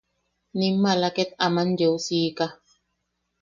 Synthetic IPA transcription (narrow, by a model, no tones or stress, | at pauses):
nimːalaket̪̚amand͡ʒewsiːka